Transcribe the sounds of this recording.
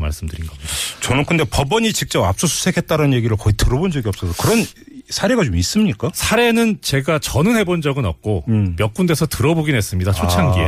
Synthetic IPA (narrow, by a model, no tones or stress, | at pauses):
ma̰ɭs͈ɯmdɯɾinɡʌ̥t͡ɕʌnɯnkʰɯndepʌbʌɲit͡ɕik̚t͡ɕ͈ʌbap̚s͈usʰu̥sʰe̞kʰe̞t̚t͈aɾanje̞ɡiɾɯɭkʌitɯɾʌbond͡ʑʌɡiʌp̚s͈ʌsʰokɯɾʌnsʰaɾe̞ɡat͡ɕomis͈ɯmɲik͈asʰaɾe̞nɯnt͡ɕe̞ɡat͡ɕʌnɯnhe̞bond͡ʑʌɡɯnʌp̚k͈omjʌk̚k͈unde̞sʰʌtɯɾʌboɡinɦe̞s͈ɯmɲidat͡ɕʰot͡ɕʰaŋɡie